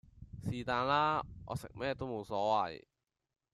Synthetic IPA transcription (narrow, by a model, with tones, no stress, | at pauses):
siː˨t̪aː˨˧nlaː˥ʔɔ̰ː˨˧sɪ̰˨k̚mɛː˥˧t̪o˥wmo˨˧wsɔː˨˥wɐ˨˩j